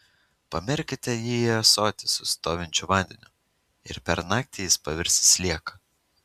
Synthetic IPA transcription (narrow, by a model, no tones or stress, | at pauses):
pɐmʲɪɾʲkʲɪt̪ʲɛjiːɐsoːt̪ʲɪsʊsʲt̪oːʋʲɪnʲt͡ʃʲʊʋɑˑnʲd̪ʲɛnʲʊ | ɪ̰ɾpʲɛɾnɑːk̚t̪ʲɪjɪspɐʋʲɪɾʲsʲɪsʲlʲiɛkɐ